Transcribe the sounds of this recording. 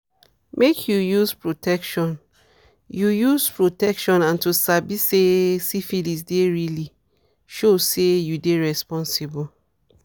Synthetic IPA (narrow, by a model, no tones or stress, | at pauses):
mʔekʰjujuspɹotʰɛkʃɔ̃n | jujuspɹotɛkʃɔ̃nãntusabisesifilisdeɹili | ʃosejudeɹɛspɔ̃nsibɔ